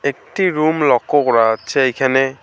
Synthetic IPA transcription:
ek̚tiɾumlɔkːɔkɾat͡ʃʰiajkʰane

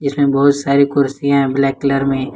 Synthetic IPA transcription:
d͡ʒɪsmẽbɐɦʊt̪saːɾikʊɾsijãɦɛ̃blɛːkːləɾmẽ

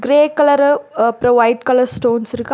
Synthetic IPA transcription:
ɡɾeːkɐlɐɾpɾoʋɐɪɖ̚kɐlɐɾsʈoːnsɪɾɯkː

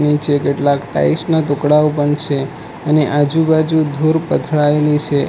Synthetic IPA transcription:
nit͡ʃʰekeʈlakʈa̰isnat̪ukɽaopəɳt͡ʃʰe | əneʔad͡ʒubad͡ʒud̪ʱuɾpət̪ʰɭaelit͡ʃʰe

